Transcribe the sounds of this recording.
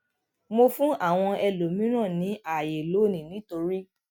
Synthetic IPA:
mo˧fũ˦a˦˨w̃ɔ̃˧ɛ˧lo˨mĩ˦ɾ̃ã˦˨nĩ˨˦ʔa˦˨je˨lo˨˦˨nĩ˨nĩ˨˦to˧ɾi˦

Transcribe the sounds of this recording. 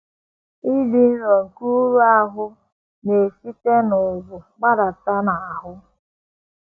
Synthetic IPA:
i˦di˨n̩˦ɾɔ˨ŋ̩˨ku˦ɾu˦a˦ɦʊ˦ | ne˨si˦te˦nʊ˨zʊ˨ɡ͡ba˦ɾa˨ta˦na˨a˨ɦʊ˦

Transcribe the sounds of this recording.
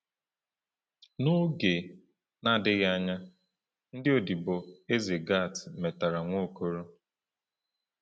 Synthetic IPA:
no˦ɡe˨ | na˦˨dɪ˦ɣa˦ɲa˦ | n̩˦dɪ˦o˨di˨bo˨e˦ze˨ɡa˦˨tɪ˨me˨ta˨ɾa˨ŋʷo˦ko˦ɾo˦

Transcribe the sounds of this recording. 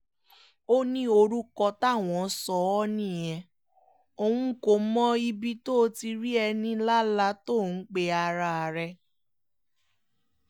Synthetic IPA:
o˦nĩ˦o˧ɾu˦kɔ˧ta˦˨w̃ɔ̃˨˦sɔ˧˦ɔ˦nĩ˦˨j̃ɛ̃˧ | o˧wũ˧˦ko˧˨˦mɔ̃˦i˧bi˧to˦˧ti˧ɾi˦ɛ˧nĩ˧la˦la˧to˦˨n̩˦k͡pe˧˦a˧ɾa˧a˨ɾɛ˧

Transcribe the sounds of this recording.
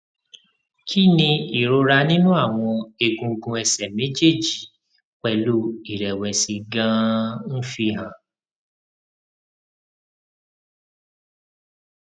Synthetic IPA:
kʰi˦nĩ˧i˨ɾo˧ɾa˧nĩ˦nũ˦a˦˨w̃ɔ̃˧e˧ɡũ˧ɡũ˧ɛ˨sɛ˨mẽ˨˦d͡ʒe˦˨d͡ʒi˨ | k͡pɛ˦˨lu˦i˦˨ɾɛ˨wɛ˨si˧ɡã˦˧n̩˦fi˧ɦã˧˨

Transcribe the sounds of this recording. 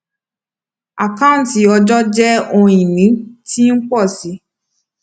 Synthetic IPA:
a˨kã˦˨n˨ti˨˦ɔ˧d͡ʒɔ˦d͡ʒɛ˦õ˧ĩ˨nĩ˨˦ti˦n̩˦k͡pɔ˦˨si˨˦

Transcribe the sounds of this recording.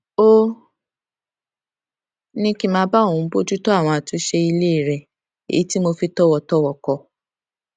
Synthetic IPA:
o˦ | nĩ˧ki˧˦mãː˧˦ba˦˨ũ˨˧˦bo˦d͡ʒu˦tɔ˦a˦˨w̃ɔ̃˧a˨tũ˧˦ʃe˧i˧le˦i˦˨ɾɛ˨ | ḛ˨i˨˦ti˦mo˧fi˧tɔ˦wɔ˧tɔ˦wɔ˦˨kɔ˧

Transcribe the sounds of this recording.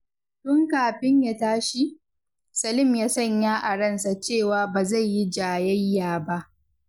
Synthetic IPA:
tʊ˦ŋkaː˨ɸɪ˦ɲja˦taː˦ʃi˦ | sɐ˨lɪ˦˨mjaː˦sɐ˦˨ɲjaː˦ʔa˨ɽɐ˦˨nsa˨t͡ʃeː˦˨waː˨˦baː˨za˦˨jːi˦d͡ʒaː˨jɐ˦jːaː˨ba˦ʔ

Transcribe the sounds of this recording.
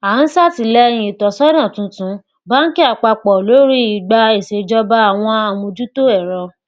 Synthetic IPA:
a˨˦n̩˦sa˦ti˧˨lɛ˦j̃ĩ˧i˨tɔ˨sɔ˦dã˦˨tũ˨˧˦tũ˨˦ | ba˦n̩˦ki˦a˦˨k͡pa˧k͡pɔ˨lo˨˦ɾi˦i˨ɡ͡ba˧e˨se˨˧d͡ʒɔ˧˦ba˦a˦˨w̃ɔ̃˧a˧˨mũ˧d͡ʒu˦to˦ɛ˦˨ɾɔ˧

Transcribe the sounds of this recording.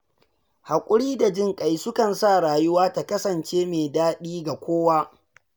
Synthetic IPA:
ha˨kʷʼʊ˦ɽiː˦da˨d͡ʒɪ˦˨ŋkʼa˨jsʊ˦kɐ˨nsa˦˨ɽaː˨jʊ˦waː˦ta˨kɐ˦sɐ˨nt͡ʃeː˦meː˨daː˦ɗiː˦ɡa˨kʷoː˦waː˦

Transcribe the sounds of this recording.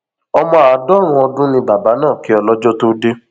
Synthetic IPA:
ɔ˧mɔ̃˧a˨a˨dɔ˦˨w̃ɔ̃˧ɔ˧dũ˦nĩ˧ba˨ba˨˦nãː˦˨ki˨˦ɔ˧lɔ˦d͡ʒɔ˦to˦de˦

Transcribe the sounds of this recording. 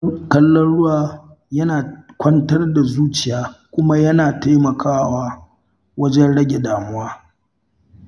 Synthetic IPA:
kɐ˦lːɔ˦nɽʊ˦waː˨ | jɐ˦naː˨kʷɐ˦ntɐ˦rda˨zuː˦t͡ʃɪ˨jaː˦kʷʊ˦ma˦jɐ˦naː˨ta˦jmɐ˨kʰaː˦waː˦ | wɐ˦d͡ʒɛ˦nɽɐ˦ɡʲe˨daː˨mʊ˦waː˦

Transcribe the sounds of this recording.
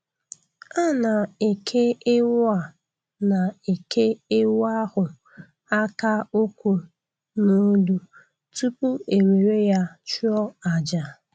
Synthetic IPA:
a˦na˨e˨kʰe˦ɪ˦wa˨ | na˨e˨kʰe˦ɪ˦wa˦hʊ˨ | a˦ka˦o˦kʷu˨ | no˨˦du˨ | tu˦pu˦e˨ɾe˨ɾe˦ja˦t͡ʃu˦ɔ˦a˨d͡ʒa˨

